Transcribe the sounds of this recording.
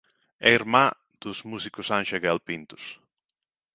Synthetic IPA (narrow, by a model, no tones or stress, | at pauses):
ɛiɾma | d̪̥ʊzmusikʊsãnʃaɣɛlpint̪ʊ̥s